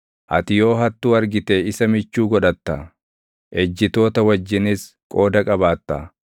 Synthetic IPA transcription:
ʔɐ̰t̪ɪjo̞ːɦɐt̪ːuːɐɾɡɪt̪eɪsɐmɪt͡ʃːuːɡɔᶑɐt̪ːɐ | ʔɛd͡ʒːɪt̪o̞ːt̪ɐwɐd͡ʒːɪnɪs | kʼo̞ːd̪ɐkʼɐbaːt̪ːɐ̰

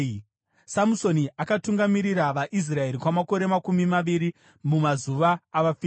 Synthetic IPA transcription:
samuso̞niʔakatuŋɡamiɾiɾaʋaʔis̬rae̞ɾikwamako̞ɾe̞makumimaʋiɾi | mumazuʋaːʋafi

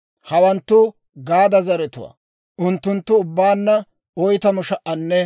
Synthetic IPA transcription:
hɐwɐnt̪ːʊ | ɡaːd̪ɐzɐɾɛt̪ʊwa̰ː | ʔʊnt̪ːʊnt̪ːʊːbːaːnːɐ | ɔjt̪ɐmʊʃɐʔɐnːɛ

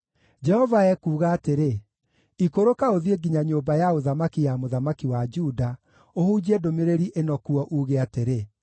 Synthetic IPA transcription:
d͡ʒɛhɔvaɛkuːɣaːteɾe | ikoɾokaoðieɡiɲaɲoːmbajaoðamakijamoðamakiwad͡ʒuda | ohud͡ʑiɛdomeɾeɾiʔenɔkuɔʔuːɣeateɾe

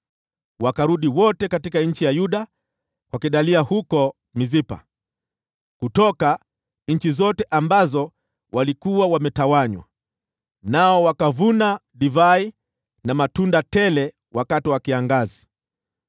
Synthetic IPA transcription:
wakaɾuɗiwɔtɛkatikaɲ̩t͡ʃijajuɗa | kwakiɗaliahukɔ | mizipa̰ | kutɔka | ɲ̩t͡ʃizɔtɛʔambazɔ | wʔalikuwawamɛtawaɲwa̰ | naɔwakavunaɗivai | namatundatɛlɛ | wakatiwakiaŋɡazi

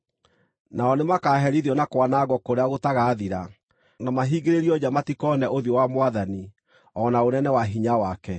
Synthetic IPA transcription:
naɔnemakaːɦɛɾiðiɔnakwanaɣɔkoɾeaɣotaɣaːðiɾa | namaɦiɣeɾeɾiɔd͡ʑamatikɔnɛʔoðiɔwamwaðani | ɔnaonɛnɛwaɦiɲawakɛ

